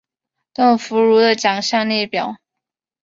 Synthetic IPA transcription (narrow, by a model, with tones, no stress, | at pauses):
t̪ə˥˩ŋfu˧˥ɻu˧˥d̪ə˨t͡ɕjɑ˨˩ŋɕjɑ˥˧ŋli˥˩pjɑ˨˩˦ʊ